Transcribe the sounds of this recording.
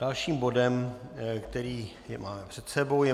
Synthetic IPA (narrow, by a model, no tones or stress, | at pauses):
d̥alʃiːmbo̞dɛmkt̪ɛɾiː | jɛmaːmɛpr̥ɛt̪sɛbo̞wjɛ